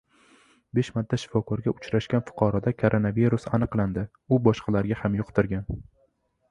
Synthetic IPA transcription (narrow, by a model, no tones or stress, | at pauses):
beʃmat̪ʰːaʃɪ̥fɒkʰɒɾɡʲaʊt͡ʃɾaʃkʲanfʊ̥qʰɑɾɒd̪akʰoɾʔonaviɾʊsanɨqlˠand̪ɪ | ʊbɒʃqʰɑlaɾɡʲahamjʊqt̪ɪɾɡʲan